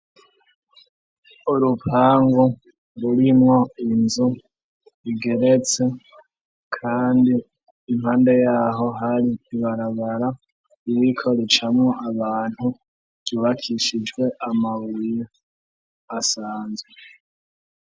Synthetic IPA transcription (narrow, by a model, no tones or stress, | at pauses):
uɾupʰaːŋɡu | ɾuɾimŋo̞inzu | iɡe̞ɾet͡se̞ | kʰaːndiː | mhaːnde̞jaːɦo̞ɦaɾiːβaɾaβaɾa | iwikʰo̞ɾet͡ʃamŋoʔaβaːn̥hu | ɟ̥uːβakʰiʃid͡ʒɡwe̞ʔamawijo | asaːnzwee